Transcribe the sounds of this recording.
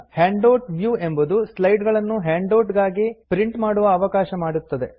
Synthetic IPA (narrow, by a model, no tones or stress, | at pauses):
heːɳɖoːʈʋjuːe̞mbud̪uslɐjɖɡɐɭɐnːuɦeːɳɖoːʈɡaːɡipɾiɳʈmaːɽuʋɐːʋɐkaːʃɐmaːɽut̪ːɐd̪e̞̰